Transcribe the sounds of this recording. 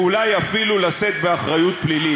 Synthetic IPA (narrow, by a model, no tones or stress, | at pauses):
ulajafilulaset̪̚beaχʁajut̪̚plili